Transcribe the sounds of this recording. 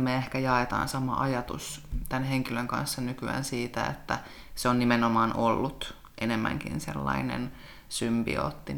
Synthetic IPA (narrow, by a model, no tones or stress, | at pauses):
meehkæjɑet̪ɑ̰ːnsɑmɑʔɑjɑt̪ṵst̪ænheŋkiløŋkɑ̰nsːɑnykyæ̰ːnsiːt̪æḛt̪ːæ | seonnimenomɑːnʔolːut̪ | ʔenemːæ̰ŋkḭnsḛlːɑinḛn | symbḭo̰ːt̪ːi